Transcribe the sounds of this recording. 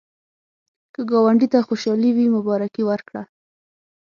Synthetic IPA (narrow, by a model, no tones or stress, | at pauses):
kəɡɑwaɳɖit̪axoʃɑliwimʊbɑɾakiwəɾkɽa